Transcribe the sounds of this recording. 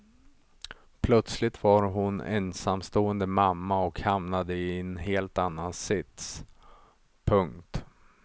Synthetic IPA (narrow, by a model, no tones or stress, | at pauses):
pʰlœt̪slɪt̪vaɾɦʊnɛ̰nsamst̪oːənd̪əmamːaɔkhamnad̪əɪɛnɦeːlt̪anːansɪt̪s | pʰɵŋkt̪